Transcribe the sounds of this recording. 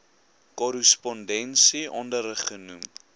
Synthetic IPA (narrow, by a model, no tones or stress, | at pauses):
kɔɾəspɔndɛnsiʔɔndəɾəχənum